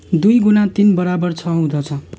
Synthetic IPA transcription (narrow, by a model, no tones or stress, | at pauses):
d̪ujɡunat̪inbʌɾabʌrt͡sʰʌɦũd̪ʌt͡sʰʌ